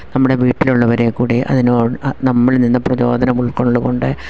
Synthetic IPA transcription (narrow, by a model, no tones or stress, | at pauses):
nɐmːuɽe̞ʋiːʈːiluɭːɐʋɐɾeːkuːɽiʔɐ̰ðinoːɽɨnɐmːɐɭninːɐprɐt͡ɕo̞ːd̪ʱɐnɐmuɭkoɳɭːuɣo̞ɳɖɨ